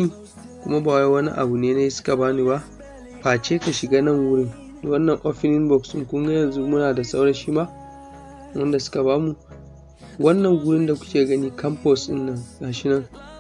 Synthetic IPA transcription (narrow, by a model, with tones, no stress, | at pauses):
iː˦ | kʷʊ˦ma˦baː˨wa˦wɐ˦nḭ˦ʔa̰˨bu˨neː˦na˦ji˦sʊ̥˦ka˨baː˦ni˦ba˦ʔ | ɸaː˨t͡ʃeː˦ka˨ʃɪ˨ɡaː˦nɐ˦˨ŋwʊ˦ɽɪ˦ŋ | da˨wɐ˦nːɐ˨ŋʔɔ˦ɸɪ˦nɪ˦nbɔ˨ksɪ˦ŋkʷʊ˦ŋɡa˦jɐ˨nzu˦mʊ˦naː˨da˨sa˦wɽɐ˦ʃi˦ma˦ʔ | wɐ˦nda˨sʊ̥˦ka˨baː˦mu˨ | wɐ˦nːɐ˨ŋɡʊ˦ɽɪ˦nda˨kʷʊ˦kʲeː˨ɡɐ˦niː˦kɐ˦mpɔ˨sʔɪ̰˦nːɐ˦˨ŋnaː˨ʃɪ˦nɐ˦ŋ